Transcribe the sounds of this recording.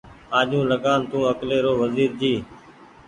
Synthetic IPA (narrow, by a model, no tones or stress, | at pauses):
ãːʄũːləɠaːnt̪ũːəkleːɾoːʋəziːɾd͡ʒiː